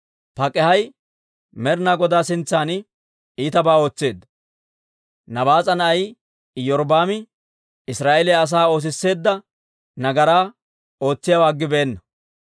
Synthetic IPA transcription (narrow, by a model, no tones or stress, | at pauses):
pɐkʼːɛhɐj | mɛɾnaːɡɔd̪aːsɪnt͡sːaːnɪ | iːt̪ɐbaːo̞ːt͡sːe̞ːd̪ːɐ | nɐbaːt͡sʼɐnɐɐj | jɔɾbaːmɪ | ɪsɾaːʔelɛɐs̬aːo̞ːs̬ɪsːe̞ːd̪ːɐ | nɐɡɐɾaː | o̞ːt͡sːɪjawaːɡːɪbeːnːɐ